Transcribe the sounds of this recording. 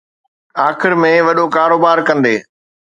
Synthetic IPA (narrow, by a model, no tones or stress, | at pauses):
aːxɪɾmẽʋɐɗokaːɾoːbaːɾkɐ̃nd̪eː